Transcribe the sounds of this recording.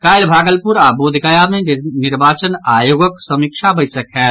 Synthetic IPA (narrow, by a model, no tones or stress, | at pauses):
kaːjlbʱaːɡəlpuɾabod̪ʱɡəjameniɾbaːt͡ʃənaːjoːɡəksəmikʃʰabəɪsəkɦɛː